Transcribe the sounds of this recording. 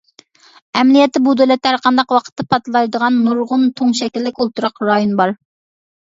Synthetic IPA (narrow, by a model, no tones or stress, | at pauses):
ɛmlijɛt̪ʰːɪbud̪ølɛt̪hæɾqʰɑnd̪ɑqwɑqʰə̥t̪ːɑpʰɑt̪lˠɑjd̪əʁɑnːuɾʁʊnt̪ʰoŋʃɛkʲilːɪkʲolˠt̪ʰuɾɑqɾɑjonbɑɾ